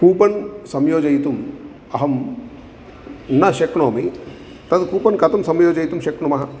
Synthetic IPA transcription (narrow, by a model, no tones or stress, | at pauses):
kuːpɐnsɐmjoːd͡ʒɐjt̪um | ɐɦɐm | nɐʃekɳoːmi | t̪ɐt̪kuːpɐnkɐt̪ɐmsɐmjoːd͡ʒɐjit̪umʃɐkɳumɐɦɐ